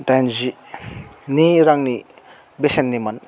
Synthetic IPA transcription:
tajnzi | niɾaŋni | besenːimɐn

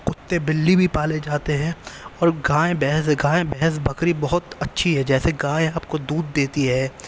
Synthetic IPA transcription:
qʊt̪ːebɪlːibʱipaːled͡ʒaːt̪eɦɛ̃ːɔːɾɡãːẽbɛɦɛsɡãːẽbɛɦɛs̬bɐkɾibɐɦʊt̪ɐtːʃʰiɦɛd͡ʒɛːseɡãːẽaːp̚kod̪uːd̪̚ːeːt̪iɦɛː

